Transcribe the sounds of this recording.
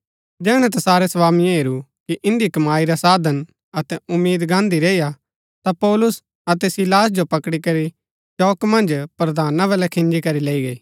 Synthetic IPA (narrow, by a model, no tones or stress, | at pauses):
d͡ʒɛːɽ̃ɛ̃t̪ɐsaːɾɛsɐʋaːmijãɦeːɾukiʔɪ̃nd̪ikɐmaːiɾasaːd̪ʱən | ɐt̪ɛʊmːiːd̪ɡãːnd̪iɾeːija | t̪apɔːlʊs | ɐt̪ɛsilaːsd͡ʒopɐkɽikɐɾi | t͡ʃɔːkmɐ̃nd͡ʒpɾɐd̪ʱaːnãbɐlɛkʰɪ̃nd͡ʒikɐɾileːiɡɐiː